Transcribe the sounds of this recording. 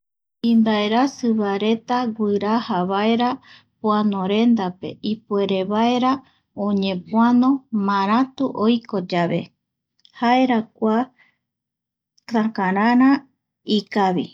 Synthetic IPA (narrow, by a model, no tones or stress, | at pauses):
ĩmbaeɾasɨβaɾe̞t̪aɡʷɨɾahaβaeɾa | pwanõɾe̞nd̪ape̞̰ipue̞ɾe̞βae̞ɾa | õɲẽ̞pwanõmãɾ̃ãt̪uʔojkod͡ʒaβe̞̰ | haeɾakʷa | kãkãɾãɾ̃ã | ikaβi